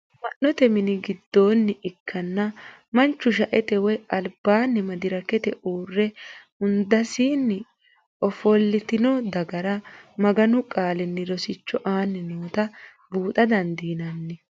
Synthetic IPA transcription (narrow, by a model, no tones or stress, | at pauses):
mɐnːɔt̪ɛmɪnɪɡɪd̪ːo̞ːnːɪʔɪkʰːɐnːɐ | mɐnt͡ʃːʊʃ̬ɐʔɛt̪ɛwɛɐlb̥aːnːɪmɐd̪ɪɾɐkɛt̪ɛʔuːrːɛ | ʊnd̪ɐsiːnːɪ | ʔɔfɔlːɪt̪ɪnɔd̪ɐɡɐɾɐmɐɡɐnʊkʼaːlɪnːɪɾɔsɪt͡ʃːɔʔaːnːɪnoːt̪ɐ | buːt̪ɐd̪ɐnd̪iːnɐnːɪ